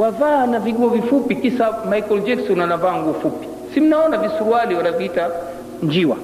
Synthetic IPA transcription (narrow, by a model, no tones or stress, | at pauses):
wavanaviɠuɔvifupikisamaikɔld͡ʒɛksɔnanavaːŋɡufupi̥ | sim̩naɔnavisuɾualiwanaviita | ɲd͡ʒiwa